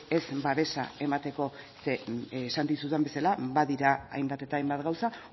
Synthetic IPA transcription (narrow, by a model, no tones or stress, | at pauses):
e̞zbaβe̞sa̰e̞mat̪e̞ko̞sesant̪isuambe̞salaβaðiɾaa̰jmbat̪e̞t̪aːjmbat̪ɡawsa